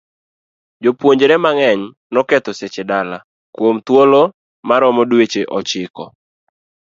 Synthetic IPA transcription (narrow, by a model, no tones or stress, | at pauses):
d͡ʒopwoɲd͡ʒɾɛmaŋɛɲ | nɔkɛt̪oset͡ʃedala | kwomt̪wolo | maɾɔmɔdwet͡ʃeʔɔt͡ʃɪkɔ̰